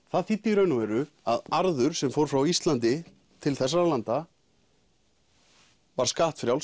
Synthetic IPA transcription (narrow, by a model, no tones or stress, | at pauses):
θaðθit̪ːɪɾœɥnʏmɛɾʏ | aðaɾðʏɾ̥sɛmfowɾ̥fɾawist̪lant̪ɪ | t̪ʰɪlθɛsːaɾalant̪a | vaɾ̥skaːht̪fɾjawl